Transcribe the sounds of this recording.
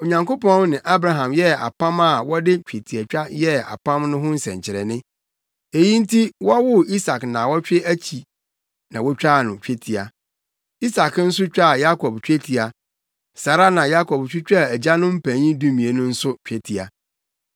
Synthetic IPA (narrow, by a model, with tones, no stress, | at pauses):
o˨ɲã˨ŋko˦pɔ̃˦nnɪ̃˨ʔa˦bɾa˨ɦã˨mjɛ˦a̰˨pã˦ma˦˨wɔ˦dɪ˦t͡ɕᶣe˨tʰi˨æ˨t͡ɕᶣa˦jɛ˦a̰˨pʰã˦mnʊ̃˦ɦʊ̃˦n̩˦sɛ̰̃˨ɲt͡ɕʰɪ˨ɾɛ̰˨nɪ̃˦ | e˨jĩ˦n̩˦tʰi˦wɔ˦wʊ˦i˦sa˨knã˨wɔ˦t͡ɕᶣɪ˦ʔæ˦t͡ɕʰi˨ | nã˨wɔ˦t͡ɕᶣa˦˨nʊ̃˨t͡ɕᶣe˦tʰi˨a˨ | i˦sa˨kn̩˦s̬ʊ˦t͡ɕᶣa˦˨ja˦kʰɔ˨bt͡ɕᶣe˦tʰi˨a˨ | sa˨ɾa˦nã˨ja˦kʰɔ˨b̚t͡ɕᶣɪ˦t͡ɕᶣa˦˨æ˨d͡ʑa˦nʊ̃˦m̩˦pʰæ̃˨ɲĩ˦du˦mĩ˨e˨nʊ̃˦n̩˦sʊ˦t͡ɕᶣɛ˦tʰi˨a̰˨